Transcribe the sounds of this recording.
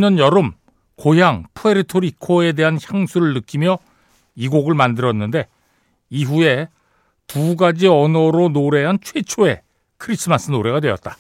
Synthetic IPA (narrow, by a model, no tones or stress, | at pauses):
ɲʌnjʌɾɯm | kojaŋpʰue̞ɾitʰoɾikʰoe̞de̞ɦançjaŋsʰuɾɯɭnɯk͈imjʌ | iɡoɡɯɭmandɯɾʌnːɯnde̞ | iɸue̞ | puɡad͡ʑiʌnʌɾonoɾe̞ɦant͡ɕʰwe̞t͡ɕʰoe̞ | kʰɯɾisʰɯmas͈ɯnoɾe̞ɡadwe̞jʌ̰t̚t͈ḁ